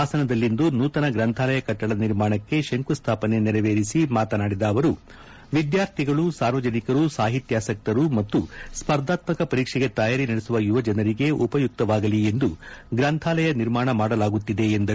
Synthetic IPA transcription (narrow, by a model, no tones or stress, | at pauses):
aːsɐnɐd̪ɐlːind̪unuːt̪ɐnɐɡɾɐnt̪ʰaːlɐjɐkɐʈːɐɭɐniɾmaːɳɐkːe̞ʃeŋkust̪ʰaːpɐne̞nɛɾɐʋe̞ːɾisimaːt̪ɐnaːɽid̪ɐːʋɐɾu | ʋid̪jaːɾt̪ʰiɡɐɭusaːɾʋɐd͡ʒɐnikɐɾusaːɦit̪jaːsɐk̚t̪ɐɾumɐt̪ːuspɐɾd̪ʱaːt̪mɐkɐpɐɾiːkʂɛɡe̞t̪ɐjaːɾinɐɽesuʋɐjuʋɐd͡ʒɐnɐɾiɡe̞ʔupɐjuk̚t̪ɐʋaːɡɐlie̞nd̪uɡɾɐnt̪ʰaːlɐjɐniɾmaːɳɐmaːɽɐlaːɡut̪ːid̪e̞ːnd̪ɐ